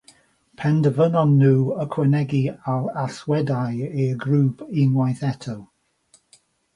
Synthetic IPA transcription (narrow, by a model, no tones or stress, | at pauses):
pʰɛndəvənɔnːuːəkʰwɛnɛɡialaθwɛdajeɡɾuːpʰɪnwajθɛtʰow